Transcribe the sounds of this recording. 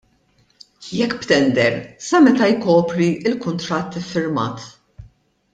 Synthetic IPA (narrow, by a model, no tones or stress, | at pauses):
jɛkːpt̪ɛnd̪ɛɾsɐmɛt̪ɐjkɔːpɾiɪlkʊnt̪ɾɐt̪ːɪfːɪɾmɐ̰ːt̪